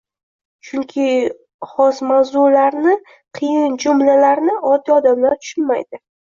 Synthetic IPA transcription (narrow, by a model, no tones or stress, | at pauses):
t͡ʃʰʊŋkʲʰɪ | χɒsmawzʊlaɾnɪ | qʰɨjɪnd͡ʒʊmlalaɾnɪɒt̪ːiɒd̪amlaɾt̪ʰʊ̥ʃʊnmajd̪ɪ